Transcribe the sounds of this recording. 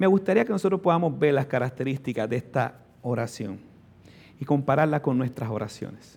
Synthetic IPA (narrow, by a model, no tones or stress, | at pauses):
me̞ɣust̪aɾiakenosot̪ɾospoamo̞zbe̞ɾlaskaɾak̚t̪e̞ɾist̪ikazd̪eest̪a̰ | oɾasjo̞̰ŋ | iko̞mpaɾaɾlako̞nːwe̞st̪ɾaso̞ɾa̰sjo̞̰nes